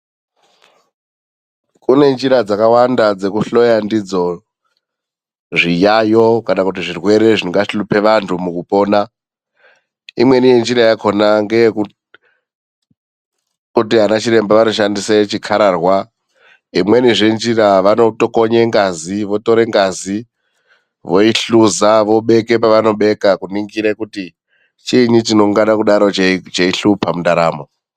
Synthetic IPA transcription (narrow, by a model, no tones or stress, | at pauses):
kune̞nd͡ʒiɾad͡zakawandad͡ze̞kuɬo̞jandid͡zo̞ | ʐijajo̞kanakut̬iʐirwe̞ɾe̞ʐinŋɡaʃilupʰe̞ʋantʰumukupo̞ːna | imwe̞nije̞nd͡ʒiɾajakʰo̞naŋɡe | kutiɦanat͡ʃiɾe̞mbaʋano̞ʃandiset͡ʃikʰaɾarwa | imweniʐe̞nd͡ʒiraʋano̞toko̞ɲe̞ŋɡaziʋo̞to̞ɾe̞ŋɡazi | ʋo̞iɬuzaʋo̞ɓe̞ke̞paʋano̞ɓe̞kakuniŋɡiɾekuti | t͡ʃiɲit͡ʃino̞ŋɡanakuɗaɾo̞t͡ʃeiɬupʰamundaɾaːmo